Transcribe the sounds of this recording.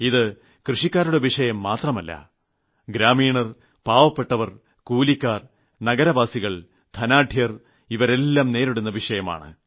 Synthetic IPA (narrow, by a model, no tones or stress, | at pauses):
iðɨ | krɨʂikʲːaːɾuɽeʋiʂɐjɐmːaːt̪rɐmɐlːɐ̰ | ɡɾaːmiːɳɐr | paːʋɐpːe̞ʈːɐʋɐr | kuːlikʲːaːr | nɐɡɐɾɐʋaːsiɣɐɭ | d̪ʰʱɐnaːɖʱjɐr | iʋɐɾe̞lːaːmne̞ːɾiɽunːɐʋiʂɐjɐma̰ːɳɨ̰